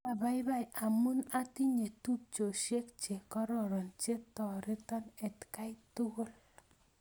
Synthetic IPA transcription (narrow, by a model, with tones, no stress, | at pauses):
a˨ba˦i˦ba˦jʔa˨mu˦na˦ti˦ɲe˨tu˦p̚t͡ʃo˨ʃje˦k̚t͡ʃe˨kɔ˦ɾɔ˦˨ɾɔ˨nt͡ʃe˦tɔ˨ɾɪ˦tɔ˦nɛ˨tka˦i˦tʊ˦ɣo˦l